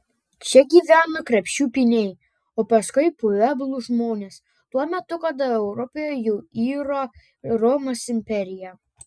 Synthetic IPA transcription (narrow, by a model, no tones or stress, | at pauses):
t͡ʃʲɛɡʲiːʋʲæːnokɾʲɛpʲʃʲt͡ʃʲuːpʲinʲɛɪ | oːpɐskʊɪpʊʋʲɛbʊlˠʊʒmoːnʲes | t̪uɔmʲɛt̪ʊkɐd̪ɐɛʊɾɔpʲejojuʊiːɾo | ɾɔmɐsɪmʲpʲɛɾʲɪjɛ